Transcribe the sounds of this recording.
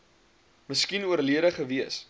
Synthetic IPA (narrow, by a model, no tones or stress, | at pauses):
məskinuərliəɾəχəviəs